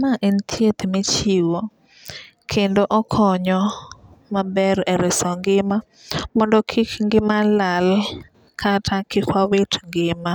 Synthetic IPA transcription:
maʔent̪ʰjet̪met͡ʃiwo | kʰendoʔɔkʰɔɲɔ | mabɛɾɛɾɪsɔŋɡɪma | mɔndɔkʰikŋɡɪmalal | kʰatʰakɪkwawetŋɡɪma

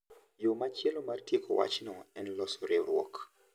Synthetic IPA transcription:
jomat͡ʃjɛlomartjekʰowa̰t͡ʃnɔɛnlɔsɔɾeɾwɔ̰k

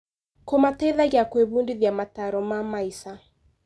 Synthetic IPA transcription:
komatɛðaɣakweβundiðjamataɾɔmamaisa

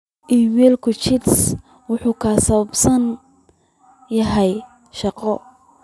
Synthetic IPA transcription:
ʔiːmɛːlkʰʊt͡ʃɪts | wʊħuːkʰaːsɐβɐbsɐn | jɐɦɛj | ʃɑqɔ

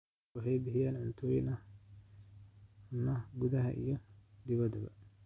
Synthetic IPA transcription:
ɑħɛjbɪhɪjaːnʕʊnt̪ʰɔːjɪnɐ | ʊnɐɡʊðɐɦɐ̰ʔḭjɔd̪ɪβɐd̪ɐbɐ̰

